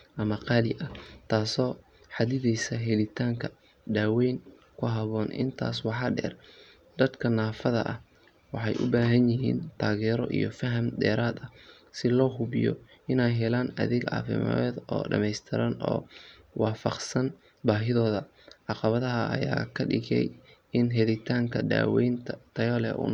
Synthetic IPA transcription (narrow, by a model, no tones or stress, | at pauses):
ʔɐmɐqɑːlɪʔɐt̪ʰaːsɔː | ħɑd̪ɪðɛjsɐɦɛlɪt̪ʰaːŋkʰɐ | ɖaːwɛjŋ | kʰʊɦɐβɔːnʔɪ̰nt̪ʰa̰ːswɑħɑːɖɛ̰ːr | d̪̥ɐd̪kʰɐnaːfɐðɐ̰ʔɐ̰h | wɑħɑjʔʊbaːɦɐnjɪɦḭːnt̪ʰaːɣɛːɾɔ̰ʔḭjɔfɐɦɐmd̪ɛ̰ːɾaːd̪ɐ | sɪlɔːɦʊβɪjɔ̰ | ʔɪnɛjɦɛlaːnɐ̰ðɪɡʕɑ̰ːfɪ̰m̰ːd̪ɔ̰ːɖɐ̰mɛjst̪ʰɪɾaːnɔ̰ːwɑːfɑqsɐn | baːɦɪðɔːðɐ | ʕɑqɑβɐðɐɦɐɐ̰ja̰ːkʰɐɖɪɣɛ̰j | ɪnɦɛðɪt̪ʰaːŋkʰɐd̪a̰ːwɛjnt̪ʰt̪ʰɐjɔːlɛ̰ʔṵn